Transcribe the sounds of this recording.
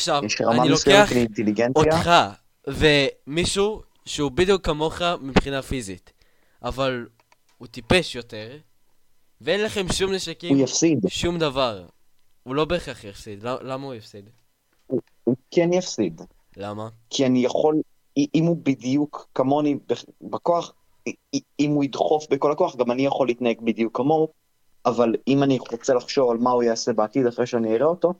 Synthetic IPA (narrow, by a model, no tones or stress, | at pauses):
aχʃavɛʃʁaamanilokeaχliint̪eliɡenojaχa | ve̞miʃu | ʃeubid̪ijukːamo̞χamipχinafizit | ʔaval | ut̪ipe̞ʃjo̞t̪e̞ʁ | veenlaχe̞mʃumneʃakijafsid̪ʃumd̪avaʁ | ulo̞be̞ːχaχjafsid̪lalamaujafsid̪ | u | ukenjafsid̪ | lamakʰianijaχo̞l | iʔimubidijukːamo̞nibebakoaχ | imuid̪χo̞fbeko̞lakoaχɡamanijaχo̞lit̪nae̞ɡ̚bidijukːamo̞ | avalimaniʁo̞t͡se̞laχʃo̞valmaujaase̞beatid̪aχʁeʃeaniiʁeo̞to̞